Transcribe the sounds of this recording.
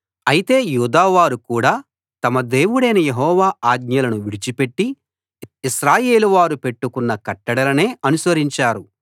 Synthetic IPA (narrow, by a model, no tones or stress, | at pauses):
ɐjit̪e̞ːjuːd̪aːʋaːɾukuːɽaː | t̪ɐmɐd̪e̞ːwuɽɐjnɐjeɦɔːʋaːaːɡ̚ɲɐlɐnuʋiɽit͡ʃipe̞ʈːi | iʃɾaːje̞ːluʋaːɾupe̞ʈːukunːɐkɐʈːɐɽɐlɐne̞ːɐnusɐɾiɲt͡ʃaːɾu